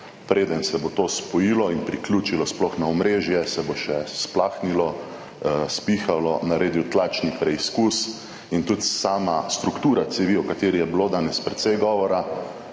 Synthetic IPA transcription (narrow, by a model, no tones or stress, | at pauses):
pɾeːd̪ənsɛbot̪oːspɔjilɔinpɾiklʲjuːt͡ʃilɔsplɔxnaɔmɾeːʒjɛsɛboʃɛsplaːxnilɔ | spiːxalɔnaɾeːd̪iwt̪laːt͡ʃnipɾɛiskus | int̪ut̪saːmast̪ɾukt̪uːɾat̪sɛʋiɔkat̪eːɾijɛbiloːd̪aːnɛspɾɛt̪sɛjɡɔʋɔɾa